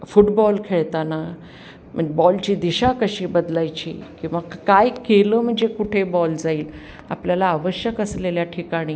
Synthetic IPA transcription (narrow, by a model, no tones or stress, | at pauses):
fuʈbɔlkʰeɭt̪ana | m̤əɳd͡ʑbɔlt͡ɕiːd̪iɕakəɕiːbəd̪lajt͡ɕḭːkĩʋakajkeləːm̤əɳd͡zekuʈʰebɔld͡zaiːl | a̰pljalaːʋəɕjəkəsleljaʈʰikaɽ̃iː